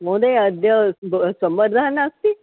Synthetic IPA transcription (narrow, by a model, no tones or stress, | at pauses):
mõd̪eəd̪jəbsəmbəɾd̪ʱanast̪i